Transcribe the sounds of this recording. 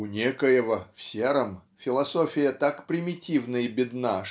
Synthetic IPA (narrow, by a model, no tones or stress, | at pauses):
ʊnʲekəjɪvəfsʲeɾəmfʲɪlˠɐsofʲɪjət̪akpɾʲɪmʲɪtʲivnəjəbʲɪd̪na